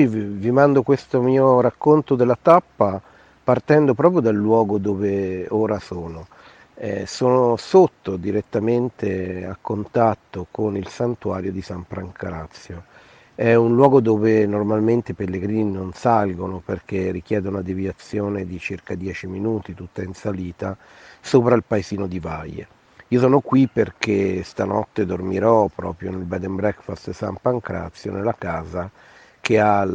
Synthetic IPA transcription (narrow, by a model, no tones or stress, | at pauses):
ivvimand̪okwest̪omiːoɾakːont̪od̪elːat̪apːa | part̪ɛnd̪opɾɔːp̬ɾjod̪alːwɔːɡod̪oːveoːɾasoːno | ɛsoːnosot̪ːod̪iɾet̪ːament̪ea̰kːont̪at̪ːokonilsant̪uaːɾjod̪isamfɾaŋkʰaɾat̪sːjo | ɛunlwɔːɡod̪oːvenormalment̪eipelːeɡɾiːninonsalɡonoperkerːik̟jɛːd̪ounad̪evjat̪sːjoːned̪it͡ʃirkad̪jɛːt͡ʃiminuːt̪it̪ut̪ːainsaliːt̪a | soːpɾailpaeziːnod̪ivajḛ | iːosɔːnokwiperkest̪anɔt̪ːed̪ormiɾɔpɾɔ̰ːpɾjonelbɛd̪ɛmbɾɛkfast̪sa̰mpaŋkɾa̰t̪sːjonelːakaːza | k̟ea